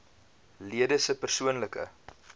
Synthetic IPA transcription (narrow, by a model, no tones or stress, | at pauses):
liədəsəpərsuənləkə̰